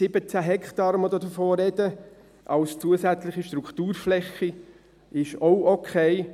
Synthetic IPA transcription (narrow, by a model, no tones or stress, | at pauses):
sɪbət͡sæɦɛkχt̪ɑɾmɔd̪od̪əɾfoːɾɛd̪̥ə | ʔɑwst͡suəsæt͡slɪχiʃt̪ɾukχt̪uːɾflɛχi | ɪʃoʊɔkʰɛɪ